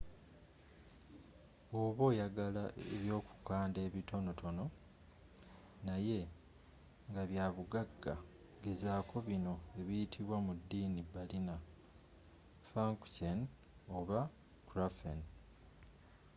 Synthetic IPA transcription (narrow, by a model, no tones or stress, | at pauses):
oβo̞ːjaɡalaʔeβjo̞ːku̥kaːnde̞ːβito̞no̞tʰo̞no̞ | naje̞ | ŋɡaβjaːβuɡaɡːa | ɡezaːkʰo̞βino̞e̞βijitʰiβwamudːiːnibalina | faŋkcen | oβa | kuɾafen